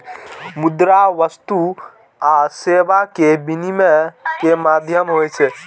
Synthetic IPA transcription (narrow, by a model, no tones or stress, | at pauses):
mʊd̪ɾaʋəst̪u | aːseːbakebinimekemaːd̪ʱjəmɦoet͡ʃʰe